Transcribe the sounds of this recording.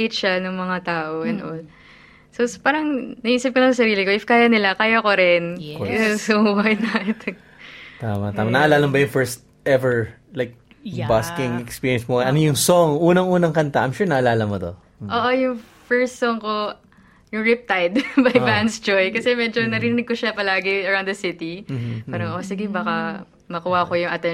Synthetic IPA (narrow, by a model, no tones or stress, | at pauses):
ɪt̪ʃanʊŋmɐŋat̪aːʔoʔɐnʔo | sospaːɾɐŋnɐʔʔiːsɐp̚konɐŋssɐɾiːlɪkoʔɪfkaːjɐnɪlakaːjɐkoɾɪn | sowajnat̪ | t̪amɐt̪aːmɐnɐʔɐlaːlɐmbɐjʊŋfɛɹst̪̚ | ʔɛvɛɹ | lajk̚ | baskɪŋɛkspiːɹjɛ̃nsmoɐnojʊŋsoŋʔuːnɐŋʔuːnɐŋkɐnt̪aʔːjmʃuːɹnɐʔɐlaːlɐmod̪o | ʔoːʔojʊŋfɛɹst̪soŋko | jʊŋɹɪp̚t̪ajd̪bɐjbansd͡ʒojkɐsɛmɛd͡ʒo̞nɐɾɪɾɪnɪɡ̚koʃapɐlaːɡɪɐɹãw̃nd̪d̪ɐsɪt̪ipaːɾɐŋʔosɪɡɪbaːkɐ | mɐkuwɐkojʊŋʔɐt̪ɛ